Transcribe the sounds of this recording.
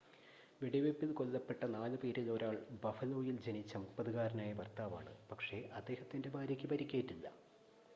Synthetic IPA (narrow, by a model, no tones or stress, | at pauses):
ʋiɽɐʋepːilko̞lːɐpːe̞ʈːɐnaːlɨpeːɾilo̞ːɾaːɭbɐfɐlo̞ːjild͡ʑe̞nit͡ɕːɐmukpɐðɨɣaːɾɐnaːjɐpɐrt̪aːʋaːɳɨpɐkʂe̞ʔɐd̪ːe̞ːhɐt̪ːinde̞bʱaːɾjɐkʲːɨpɐɾikʲːeːʈːilːɐ̰